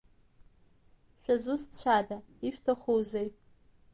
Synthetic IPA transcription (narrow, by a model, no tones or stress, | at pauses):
ʃᶣazust͡ɕʷʰadaiʃᶣtʰaχowzej